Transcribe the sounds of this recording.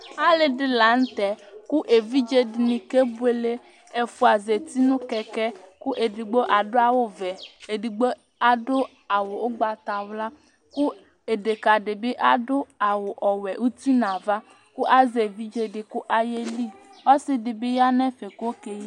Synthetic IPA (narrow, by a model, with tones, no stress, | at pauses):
a˦lɪ˨dɪ˨la˨n̩˦t̪ɛ˨kʊ˦ʔe˨vi˦d͡ʒe˦dɪ˨nɪ̃˨ke˦bʊ˦e˨le˦ | e˨fʊ˨a˨ze˨t̪i˦nʊ̃˦kɛ˨kɛ˦kʊ˦ʔe˨di˨ɡ͡bo˦ʔa˨dʊ˦a˦wʊ˦vɛ˨e˨di˨ɡ͡bo˦ | a˦dʊ˦ | a˨wʊ˨ʊ˦ɡ͡ba˨t̪a˨wla˦ | kʊ˦ | e˨de˨ka˨dɪ˨bɪ˦ʔa˦dʊ˦a˨wʊ˨ʔɔ˨wɛ˨ʔu˦t̪i˦nã˨va˦ | kʊ˦ʔa˦ze˨vi˦d͡ʒe˦dɪ˨kʊ˦ʔa˨je˦li˦ɔ˦sɪ˦dɪ˨bɪ˦ja˦nɛ˦fe˨ko˦ke˦ji˦